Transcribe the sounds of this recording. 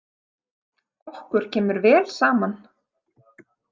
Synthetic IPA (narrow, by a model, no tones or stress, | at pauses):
kɔhkʏɾ̥cʰɛːmʏɾvɛːlsaːman